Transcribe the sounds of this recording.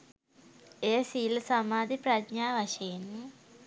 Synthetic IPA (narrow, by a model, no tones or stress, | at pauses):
ejsiːlsamaːd̪ipɾadɲaːʋaʃeenː